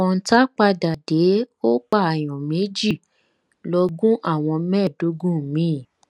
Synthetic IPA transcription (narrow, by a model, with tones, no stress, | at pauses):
ɔ̃˧n̩˦ta˦k͡pa˧da˨de˨˦o˦k͡pa˦˨a˨j̃ɔ̃˨me˨˦d͡ʒi˦˨ | lɔ˧ɡũ˦ʔa˦˨w̃ɔ̃˧mɛ̃˦˨do˨˦ɡũ˦˨mĩ˨˦˨